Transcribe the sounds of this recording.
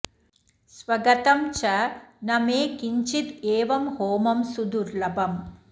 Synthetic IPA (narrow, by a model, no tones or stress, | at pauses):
sʋɐɡɐt̪ɐmt͡ʃɐnɐmeːkiɲt͡ʃit̪eːʋɐmhoːmɐmsud̪uɾlɐbɐm